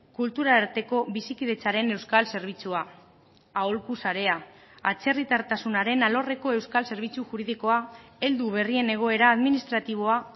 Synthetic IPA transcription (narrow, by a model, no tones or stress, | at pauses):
kult̪uɾaːɾt̪e̞ko̞βisikið̞e̞t͡saɾe̞ne̞wskalse̞ɾβ̞it͡sua | aolkusaɾe̞a | at͡se̞rit̪aɾt̪asunaɾe̞nalo̞reko̞e̞wskalse̞ɾβ̞it͡suʝuɾið̞iko̞ae̞ld̪uβ̞e̞rie̞ne̞ɣ̞o̞e̞ɾaːðminist̪ɾat̪iβ̞o̞a